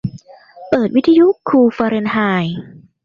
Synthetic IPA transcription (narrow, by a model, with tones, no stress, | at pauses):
pɤː˨˩t̪̚wi˦˥t̪ʰa˧ju˦˥kʰːuː˧faː˧ɾe˧nɦaː˧j